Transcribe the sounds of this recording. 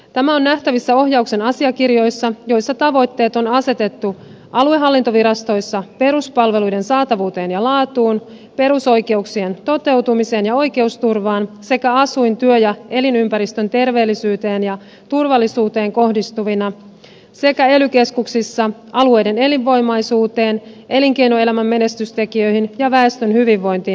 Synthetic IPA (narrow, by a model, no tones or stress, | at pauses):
t̪æmæo̞nːæht̪æʋisːæo̞ɦjɑukse̞nɑsiɑkirjo̞jsːɑjo̞jsːɑt̪ɑʋo̞jt̪ːe̞ːt̪o̞nɑse̞t̪e̞t̪ːu | ʔɑlue̞ɦɑlːint̪o̞ʋiɾɑst̪o̞jsːɑpe̞ɾuspɑlʋe̞lujde̞nsɑːt̪ɑʋuːt̪e̞ːnjɑlɑːt̪uːn | pe̞ɾuso̞jke̞uksient̪o̞t̪e̞ut̪umise̞ːnjɑo̞jke̞ust̪urʋɑːnse̞kæɑsujnt̪yøjɑe̞linympæɾist̪ø̞nt̪e̞rʋe̞ːlːisyːt̪e̞ːnjɑ | t̪urʋɑlːisuːt̪e̞ːŋko̞hdist̪uʋinɑ | se̞kæelyk̟e̞skuksisːɑʔɑlue̞jde̞ne̞liʋːo̞jmɑjsuːt̪e̞ːnʔe̞liŋke̞jnoe̞læmæmːe̞ne̞st̪yst̪e̞kiø̞jɦinjɑʋæest̪ønhyʋiʋːo̞jnt̪iː